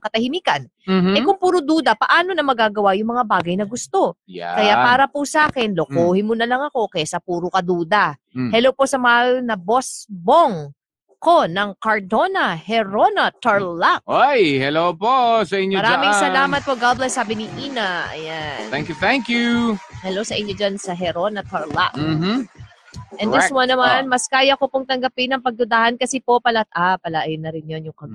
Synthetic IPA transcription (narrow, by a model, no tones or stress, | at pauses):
kɐt̪ɐhɪmiːkɐn | ɐkʊŋpuːɾʊd̪uːd̪ɐpɐʔaːno̞nɐmɐɡaːɡɐwajʊŋmɐŋabaːɡɐjnɐɡʊst̪o̞ja̰kɐjaʔpaːɾɐpusɐʔaːkɛnlokoːhɪmʊnɐlɐŋɐko̞kɐasɐpuːɾʊkɐd̪uːd̪ɐ | hɛlowpo̞sɐmɐhalnɐbosboŋ | konɐŋkɐɹd̪onɐhɛɾonɐt̪ɐɹlak̚ʔojhɛloposɐʔɪɲːoɐɾmɪŋsɐlaːmɐt̪̚poɡablɐjsaːbɪniʔiːnɐɐ̰janɛŋkt̪ɛŋkjuhɛlowsɐʔɪɲːod͡ʒansɐɦɛɾonɐt̪ɐɹla̰k̩ː | ʔɛnd̪ɛswɐnɐmanmɐskaːjɐkopoŋt̪ɐŋɡɐpinɐŋpɐɡ̚d̪ʊd̪aːhɐnkɐsipopɐlɐt̪̚ʔapɐlaʔjɪnːɐɾɪnjonjʊŋkɐm